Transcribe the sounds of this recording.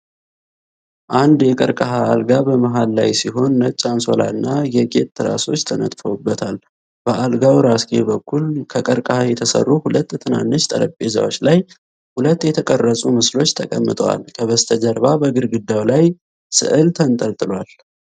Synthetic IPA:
ʔand̪jɛkʼəɾkʼəɦaːlɡabəməɦalːajsiɦo̞nːət͡ʃʼːanso̞̰la̰ɨnːajɛkʼe̞t̪ːɨɾa̰so̞t͡ʃːt̪ʰənə̰t̪ʼfəwbːət̪ʰal | b̥əʔalɡawɾaskʼebəkʰːulkʰəkʼəɾkʼəhajɛt̪ʰəsə̰rːuhulət̪ːt̪ʰɨna̰nːɨt͡ʃt̪ʼə̰ləpʼːeza̰wo̞t͡ʃːlaj | hulət̪ːjɛt̪ʰəkʼərːəsʼumɨslo̞t͡ʃːt̪ʰəkʼəmːɨt̪ʼəwa̰lkʰəβəst̪ʰəd͡ʒəɾbabəɡɨɾɡɨd̪ːawlaj | sɨ̰ʔɨlt̪ʰənt̪ʼəlt̪ʼɨlwal

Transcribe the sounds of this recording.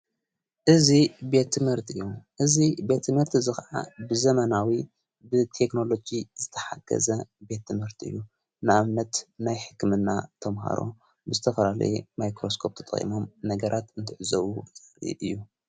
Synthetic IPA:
ʔɨzibe̞t̪ʰːɨmhɨɾt̪ʰɨjːuʔɨzibe̞t̪ʰːɨmhɨɾt̪ʰzɨxaʕa̰bɨzɐmɐnawi | bɨt̪ʰe̞kno̞lo̞d͡ʒizɨt̪ʰɐ̥ħa̰ɡ̥ɐ̰zɐbe̞t̪ːɨmhɨɾt̪iɨ̰jːu | nɨʔamnɐt̪najħɨkːɨmɨnːat̪ʰɐmɦa̰ɾo̞̰ | bɨzɨt̪ʰɐfɐlalɐ̰jemajkɾo̞skʰo̞p̚t̪ʰɐt̪ʼɐ̰χʼḭmo̞mnɐɡɐɾʔat̪ɨnt̪ʰɨʕɨzɐβuḭʔɨjːu

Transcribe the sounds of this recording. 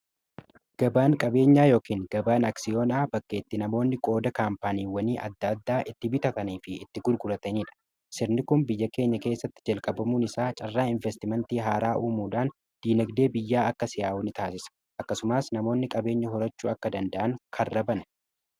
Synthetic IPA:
ɡ̥ɐbaːŋkʼɐbe̞ːɲːaːjo̞ːkiːŋɡɐbaːnaksɪjoːnaːbɐkːe̞ːt̪ːɪnɐmo̞ːnːɪkʼo̞ːd̪ɐkaːmpaːniːwɐniːʔɐ̰d̪ːɐd̪ːaːʔɪt̪ːɪbɪt̪ɐt̪ɐniːfɪɪt̪ːɪɡʊɾɡʊɾɐt̪ɐniːᶑɐ̥ | sɪɾnɪkʊnbɪjːɐke̞ːɲːɐke̞ːsːɐt̪ːɪ̥d͡ʒɐlkʼɐbɐmuːnɪsaːt͡ʃʼɐrːaːɪɱvɛst̪ɪmɛnt̪iːɦaːɾaːʔuːmuːᶑaːn | d̪̥iːnɐɡd̪e̞ːbɪjːaːɐkːɐsɪjaːʊnɪt̪aːsɪsɐ̥ | ʔɐkːɐsʊmaːsnɐmo̞ːnːɪkʼɐbe̞ːɲːɐɦɔɾɐt͡ʃːuːɐkːɐd̪ɐnd̪ɐʔɐŋkʰɐrːɐbɐnɐ

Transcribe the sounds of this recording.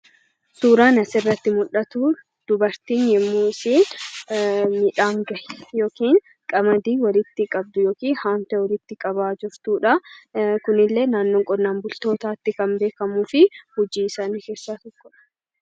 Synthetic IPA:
suːɾaːnɐsɪrːɐt̪ːɪmʊᶑɐt̪uː | d̪̥ʊbɐɾt̪iːnjɛmːuːɪsiːn | mɪᶑaːŋɡɐjjo̞ːkiːŋ | kʼɐmɐd̪iːwɐlɪt̪ːɪkʼɐb̚d̪ʊjo̞ːkiːnhaːnt̪ɛwɐlɪt̪ːɪkʼɐbaːd͡ʒʊɾt̪uːᶑɐkʊnɪlːe̞ːnaːnːoːŋkʼɔdnaːnbʊlt̪o̞ːt̪aːt̪ːɪkɐmbe̞ːkɐmuːfɪhʊd͡ʒiːsaːnɪke̞ːsːaːt̪ɔkːɔᶑɐ̥

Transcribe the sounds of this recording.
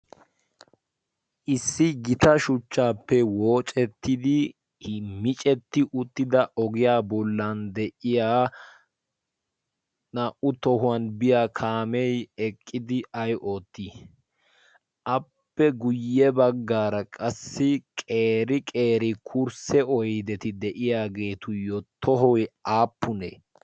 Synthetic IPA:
ʔɪsːɪɡɪt̪ɐʃʊt͡ʃːaːpːɛwoːt͡ʃʼɛt̪ːɪd̪ɪ | mɪt͡ʃʼɛt̪ːɪʔʊt̪ːɪd̪ɐɔɡɪjaːbɔlːɐnd̪ɛʔɪjaː | naːʔʊt̪ɔɦʊɐnbɪjaːkʰaːmɛjɛkʼːɪd̪ɪɐjʔoːt̪ːiː | ʔɐpːɛɡʊjːɛbɐɡːaːɾɐkʼɐsːɪkʼeːɾɪkʼe̞ːɾɪkʰuɾsɛɔjd̪ɛt̪ɪd̪ɛʔɪjaːɡe̞ːt̪ʊjɔt̪ɔɦɔjaːpːʊnḛː

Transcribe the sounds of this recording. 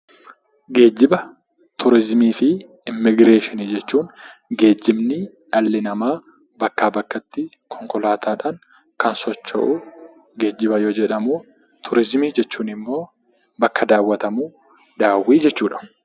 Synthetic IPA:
ɡe̞ːd͡ʒːɪbɐ | t̪ʊɾɪzmiːfɪ | ɪmːɪɡɾe̞ːʃɪnid͡ʒɛt͡ʃːuːnɡe̞ːd͡ʒːɪmnɪ | ᶑɐlːɪnɐmaː | bɐkːaːbɐkːɐt̪ːɪ | kʰɔŋkɔlaːt̪aːᶑaːŋ | kɐnsɔt͡ʃːɐ̰ʔu | ɡe̞ːd͡ʒːɪbɐjoːd͡ʒɛᶑɐmuː | t̪ʰʊɾɪzmiːd͡ʒɛt͡ʃːuːnɪmːo̞ː | bɐkːɐd̪aːwːɐt̪ɐmuː | d̪aːwːiːd͡ʒɛt͡ʃːuːᶑɐ̥

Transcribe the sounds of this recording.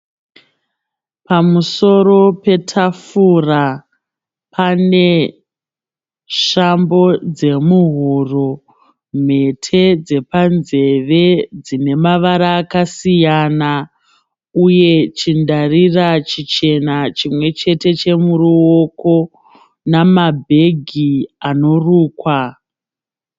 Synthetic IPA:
pamuso̞ro̞pe̞tʰafura | pʰane̞ | ʃambo̞d͡ze̞muɦuro | m̤e̞tʰe̞d͡ze̞panze̞ʋe̞d͡zine̞maʋaɾaːkasijana | uje̞t͡ʃindarirat͡ʃit͡ʃe̞nat͡ʃimwe̞t͡ʃe̞te̞t͡ʃe̞muɾuoko̞ | namabʱe̞ɡʱiano̞ruːkwa

